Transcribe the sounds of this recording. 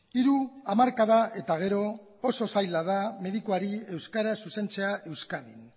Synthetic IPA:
iɾuamaɾkað̞aʔe̞t̪aɣ̞e̞ɾo̞ | oso̞sajlað̞ame̞ðikuaɾie̞wskaɾasuse̞nt͡se̞aʔe̞wskaðin

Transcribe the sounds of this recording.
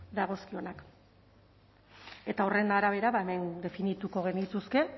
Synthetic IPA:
d̪aɣ̞o̞skio̞nak | e̞t̪aore̞nd̪aːɾaβ̞e̞ɾaβae̞me̞nd̪e̞finit̪uko̞ɣ̞e̞nit̪uske̞

